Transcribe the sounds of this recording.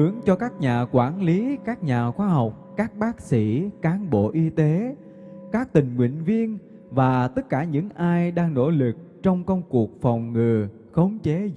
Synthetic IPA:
ɨ˨˦əŋt͡ɕɔ˧kaː˦˥k̚ɲaː˨˩kwaː˧˩nli˨˦kaː˦˥k̚ɲaː˨˩xwaː˧ɦa˨˩wk͡p̚kaː˦˥k̚ɓaː˦˥k̚sḭ˧˥kaː˨˦nɓo̰˧˨ʔi˧t̪e˨˦ | kaː˦˥k̚t̪ï˨˩ŋ̟ŋwḭ˧˨ŋvi˧ən | vaː˨˩t̪ə˦˥t̚kaː˧˩ɲɨ̰˧˥ŋʔaː˧jɗaː˧ŋno̰˧˥˩lɨ˨˩k̚ | t͡ɕɔ˧wŋ͡mkə˧wŋ͡mku˨˩ək̚fɔ˨˩wŋ͡mŋɨ˨˩ | xə˨˦wŋ͡mt͡ɕe˨˦

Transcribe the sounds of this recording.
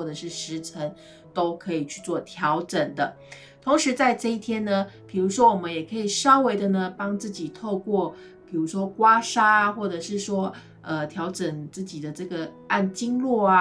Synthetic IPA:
wɔ˥˩ʈ͡ʂɤ˨˩ʂɻ̩˥˩ʂɻ̩˧˥ʈ͡ʂʰə˧˥ŋ | t̪o˥ʊkʰɤ˧˥i˨˩t͡ɕʰy̥˥˧t͡swɔ˥˩t̪ʰjɑ˧˥ʊʈ͡ʂə˨˩ŋd̪ə˦ | t̪ʰʊ˧˥ŋʂɻ̩˧˥t͡sa˥˧ɪʈ͡ʂɤ˥˧i˥˩t̪ʰjɛ˥nə˧pʰi˨˩ɻu˧˥ʂwɔ˥wɔ˨˩mə˦njɛ˨˩kʰɤ˧˥i˨˩ʂɑ˥ʊwe˧˥ɪd̪ə˨nə˧pɑ˥ŋt͡sɹ̩˥˩t͡ɕi˨˩t̪ʰo˥˧ʊkwɔ˥˩ | pʰi˨˩ɻu˧˥ʂwɔ˥kwa˥ʂa˥˧xwɔ˥˩ʈ͡ʂɤ˨˩ʂɻ̩˥˩ʂwɔ˥ | ə˧t̪ʰjɑ˧˥ʊʈ͡ʂə˨˩ŋt͡sɹ̩˥˩t͡ɕi˨˩d̪ə˦ʈ͡ʂɤ˥˩ɡə˩ | a˥˩nt͡ɕi˥ŋlwɔ˥˩a˨

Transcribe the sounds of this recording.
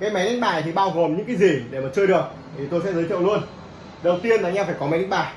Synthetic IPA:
ve˨˩ma˨˦jnla˦˧˥ŋ̚ɓa̰ː˧˩jt̪ʰi˨˩ɓaː˧wɣo˨˩mɲɨ̰˧˥ŋkaː˨˦zi˨˩ɗe˧˩maː˨˩t͡ɕɨ˧əɗɨ˨˩ək̚t̪ʰi˨˩t̪o˧jsɛ̰˧˥zəː˨˦jt̪ḭ˧˨wlu˧ən | ɗə˨˩wt̪i˧ənlaː˨˩ɲaː˧faː˧˩jkɔ˦m˨˦jlɛ̟˨˦˥ɓaː˧˩j

